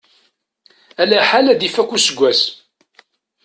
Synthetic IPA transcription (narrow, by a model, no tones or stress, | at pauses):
ælæħalæd̪ifækʷːusəɡʷːæs